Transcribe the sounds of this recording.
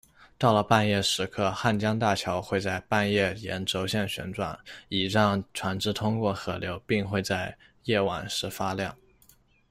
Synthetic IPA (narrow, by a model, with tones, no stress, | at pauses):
t̪ɑ˥˩ʊlə˩pa˥˧njɛ˥˩ʂɻ̩˧˥kʰɤ˥˧xa˥˩nt͡ɕjɑ˥ŋt̪a˥˩t͡ɕʰjɑ˧˥ʊxwe˥˧ɪt͡sa˥˧ɪpa˥˧njɛ˥˩jɛ̰˧˥nʈ͡ʂo˧˥ʊɕjɛ˥˩nɕɥɛ̰˧˥nʈ͡ʂwa̰˨˩˦ni˨˩ʂɑ˥˩ŋʈ͡ʂʰwa˧˥nʈ͡ʂɻ̩˥t̪ʰʊ˥ŋkwɔ˥˩xɤ˧˥ljo˧˥ʊpi˥˧ŋxwe˥˧ɪt͡sa˥˧ɪ | jɛ˥˩wa̰˨˩nʂɻ̩˧˥fa˥ljɑ˥˩ŋ